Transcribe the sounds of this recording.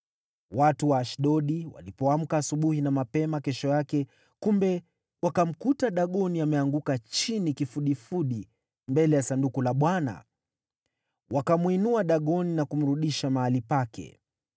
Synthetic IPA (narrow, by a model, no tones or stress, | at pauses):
watuwaːʃɗɔɗiwa̰lipɔam̩kaːsuɓuhinamapɛmakɛʃɔjakɛ | kumbɛ | wakam̩kutaɗaɠɔniamɛaŋɡukat͡ʃinikifuɗifuɗi | mbɛlɛjasandukulaɓwana̰ | wʔakamwinuaɗaɠɔninakum̩ɾuɗiʃamahalipakɛ̰